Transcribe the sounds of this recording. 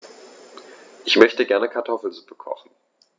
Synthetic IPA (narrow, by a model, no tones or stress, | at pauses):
ʔɪçmœçtəɡɛɐnəkʰaɐtʰɔfl̩zupəkʰɔ̰χn̩